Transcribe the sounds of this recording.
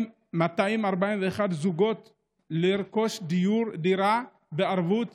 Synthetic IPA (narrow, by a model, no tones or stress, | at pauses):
m | mat̪aimaʁbaimveeχad̪zuɡo̞t̪ | liɾko̞ʃd̪ijuɾd̪iɾa | beaʁvut̪